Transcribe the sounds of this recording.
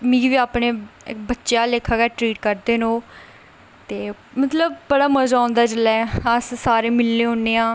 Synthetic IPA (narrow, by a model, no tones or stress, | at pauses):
mĩːiʋiːaːpneːbətːʃjaːleːkʰaːɡɛːʈɾiːʈkəɾd̪eːnõː | t̪eːmət̪ləbbəɽaːməzaːʊ̃ːnd̪aːt͡ʃəlːɛːəssaːɾeːmɪlːeːɦõːnːeːãː